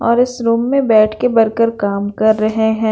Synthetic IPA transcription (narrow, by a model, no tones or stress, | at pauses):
ɔːɾɪsɾuːmːẽbɛːʈʰkebɐɾkəɾkaːmkɐɾːɐɦeɦɛ̃ː